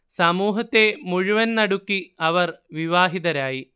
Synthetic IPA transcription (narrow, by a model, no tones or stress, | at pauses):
sɐmuːɦɐt̪ːe̞muɻuʋɐnnɐɽukːiɐʋɐrʋiʋaːɦid̪ɐɾaːji